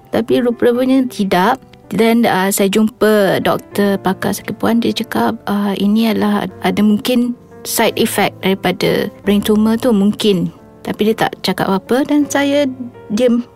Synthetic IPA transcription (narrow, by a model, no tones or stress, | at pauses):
t̪apiɾupəɾupəɲãt̪ʰidaʔ | danəsajad͡ʒumpədɔ̰k̚t̪əpaka̰ʔsakəpuandiət͡ʃəkap̚əinĩalahadamũŋkɪn | sajt̪ifɛk̚daɾipada̰bɾiŋt̪umət̪umũŋkɪn | t̪apidiət̪a̰ʔt͡ʃaka̰p̚bapədansajadiəm